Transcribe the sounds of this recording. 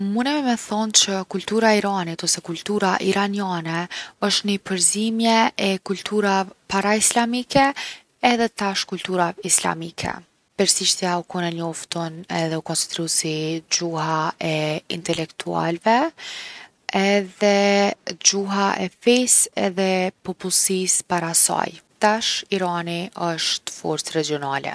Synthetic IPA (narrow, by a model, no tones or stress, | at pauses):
munɛvɛmɛθɔnt͡ʃəkult̪uɾaiɾanit̪ɔsɛkult̪uɾaʔiɾanjanɛɔʃt̪nipəɾzimjɛɛkult̪ʰuɾapaɾaislamikɛː | ðɛt̪aʃkult̪uɾaisla̰mikʰɛ̰ | pɛɾsiʃt̪jaukunɛɲɔft̪ɔnɛðɛukɔnsi̥d̪ɾusid͡ʑuhaɛḭnt̪ɛlɛkt̪ʰua̰lvɛ | ɛðɛd͡ʑuɦaʔɛfɛsɛ̰ðɛpɔpulˠsispaɾasa̰jt̪aʃiɾaniəʃt̪fɔ̰ɾt͡sɾɛd͡ʒiɔnalɛ̰